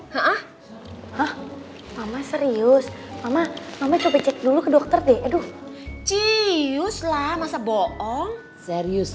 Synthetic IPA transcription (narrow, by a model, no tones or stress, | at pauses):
haʔah | hah | mamasəɾiʊs | mamamamat͡ʃobat͡ʃɛt̪̚dulukədɔk̚t̪ərdɛʔadʊht͡ʃijʊslahmasabɔʔɔŋ | sɛɾiʊs